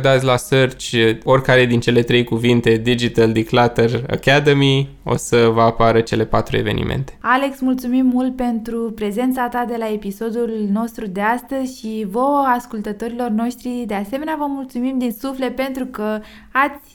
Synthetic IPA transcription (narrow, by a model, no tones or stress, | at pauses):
d̪at̪sʲlasərt͡ʃʲo̞rʲkaɾe̞d̪int͡ʃe̞le̞t̪ɾe̞jkuvint̪e̞d̪id͡ʒit̪əld̪iklat̪əra̰kad̪əmi | o̞̰səvəapaɾət͡ʃe̞le̞pat̪ɾue̞ve̞nḭmʔḛnt̪e̞̥ale̞ksmult̪sumimːult̪̚pe̞nt̪ɾupɾe̞ze̞nt̪sat̪ad̪e̞lae̞piso̞d̪ulno̞st̪ɾud̪e̞ast̪əzʲʃivo̞wəaskult̪ət̪o̞ɾilo̞rno̞ʃt̪ɾid̪e̞ase̞me̞neavəmult̪sumimd̪insufle̞t̪̚pe̞nt̪ɾukə | at̪sʲ